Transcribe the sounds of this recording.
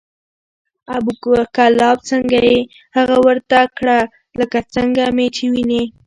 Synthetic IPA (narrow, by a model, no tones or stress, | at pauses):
abukkalɑb̚t͡səŋɡaje | haɣawəɾt̪akɽa | ləkat͡səŋɡamet͡ʃewini